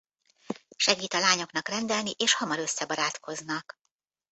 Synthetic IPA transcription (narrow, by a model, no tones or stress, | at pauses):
ʃɛɡiːt̪ɒlaːɲo̞knɒkrɛnd̪ɛlniʔeːʃhɒmɒɾøsːɛbɒɾaːt̪ko̞znɒk